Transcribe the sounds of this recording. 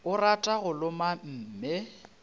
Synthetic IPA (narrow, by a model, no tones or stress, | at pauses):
ʊratʼaɣʊlʊmam̩ːme